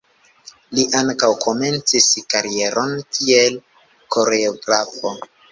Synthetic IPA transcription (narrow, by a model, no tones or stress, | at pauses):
liʔaŋkawkʰo̞me̞nt͡siskaɾie̞ɾʔo̞nkiel | ko̞ɾeoɡɾafo